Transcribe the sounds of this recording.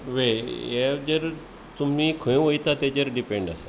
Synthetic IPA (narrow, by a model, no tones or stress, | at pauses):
ʋeed͡ʑəɾ | t̪umikʰə̃jũʋəjt̪at̪ed͡ʑəɾɖipẽɳɖasa